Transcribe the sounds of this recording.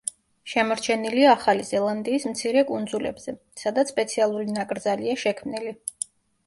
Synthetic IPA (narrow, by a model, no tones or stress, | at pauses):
ʃɛmɔɾt͡ʃʰɛniliaːχalizɛlˠand̪iːsmt̪sʰiɾɛkʼund̪zulɛ̰bz̥ɛ | sad̪at̪sspʼɛt̪sʰialˠuɾinakʼɾd̪zaliaʃɛkʰmnili